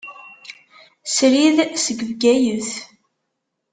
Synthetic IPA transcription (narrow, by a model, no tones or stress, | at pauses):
sɾiðsəɡvɡæjəθ